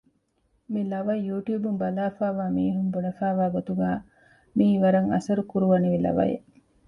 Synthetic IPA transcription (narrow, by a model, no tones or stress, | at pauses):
milɐʋɐjjuːʈjuːbumbɐlaːfaːʋaːmiːɦumbunɐfaːʋaːɡot̪uɡaː | miːʋɐɾɐŋɐ̰sɐɾukuɾuʋɐniʋilɐ̰ʋɐ̰jḛ